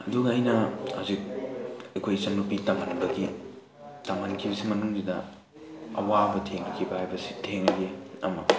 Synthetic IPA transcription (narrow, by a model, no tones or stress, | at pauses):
ɐduɡɐːjnɐha̰zik̚ɐjkʰojsɐnːupitaŋanbɐɡi | taŋankʰibɐsimɐnuŋdidɐ̰ | ɐ̰wabɐtʰeŋɐkʰibɐhajbɐsi̥tʰeŋɐɡeɐ̰mɐ̰